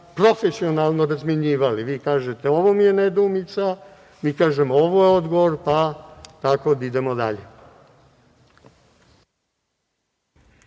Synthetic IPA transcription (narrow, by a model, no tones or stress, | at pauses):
pɾo̞fesio̞nalˠnoɾazmjeɲiːʋaliʋiːkaːʒet̪eo̞ʋomije̞ned̪uːmit̪sa | miːkaːʒemooʋojeo̞d̪ɡoʋoɾpat̪ako̞d̪id̪e̞mo̞d̪a̰ʎḛ